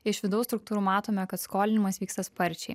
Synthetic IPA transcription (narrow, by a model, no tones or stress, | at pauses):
ɪʃʋʲɪd̪ɒʊst̪ɾʊkt̪uːɾuːmɑːt̪oːmʲɛkɐt̪skoːlʲɪnʲɪmɐsʋʲiːkst̪ɐspɐɾʲt͡ʃʲɛɪ